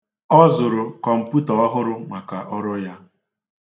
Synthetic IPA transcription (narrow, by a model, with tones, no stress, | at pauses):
ɔ˦zʊ˨ɾʊ˨kɔ˨m̩˨pu˦tɔ˨ɔ˦ɦʊ˦ɾʊ˦ma˨ka˨ʔɔ˦ɾʊ˦ja˦